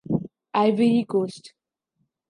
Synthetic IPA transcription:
aɪʋiikoːsʈ

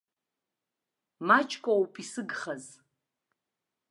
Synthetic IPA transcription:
mat͡ʃʰʼkʷʼawpʼʰisɨɡχɐz

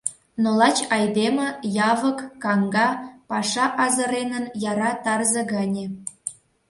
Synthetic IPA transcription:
nolɑt͡ɕɑjd̪emə̆jɑβəkːɑŋɡɑpɑʃɑʔɑzə̆ɾenənjɑɾɑt̪ɑrzə̆ɣɑnʲe

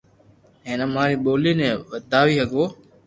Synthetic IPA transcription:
ɦeːnəmaːɾiːɓoːliːnẽːʋəd̪ʱaːʋiːɦəɡoː

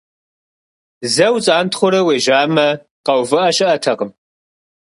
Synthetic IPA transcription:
zɐwt͡sʼaːntχʷʊɾɐweːʒaːmɐ | qɐwvɨʔɐɕʼɪʔɐtʰɐqəm

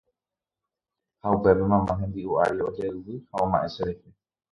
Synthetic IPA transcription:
haupeβɨmãmãɦẽ̞nd̪iua̰ɾio̞d͡ʒeɨwɨhaõmã̰ʔe̞ʃeɾehe

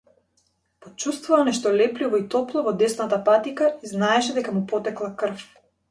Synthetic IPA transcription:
pɔt͡ʃust̪vuvanɛʃt̪ɔlɛplivɔit̪ɔplˠɔvɔd̪ɛsnat̪apat̪ikaiznaɛʃɛd̪ɛkamupɔt̪ɛklˠakr̩f

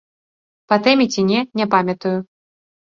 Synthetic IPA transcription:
pɐt̪ɛmʲit͡sʲinʲɛnʲɛpamʲɐt̪uju

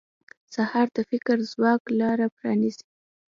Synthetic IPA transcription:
sahɑɾd̪əfɪkɾzwɑklɑɾapɾɑnizi̥

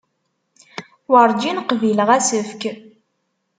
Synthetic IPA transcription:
wəɾˤd͡ʒinqviləʁæsəfk

